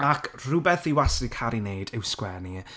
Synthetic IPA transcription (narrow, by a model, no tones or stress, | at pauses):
akʰrʊbɛθiwasikʰaɾinejdɪwskwɛni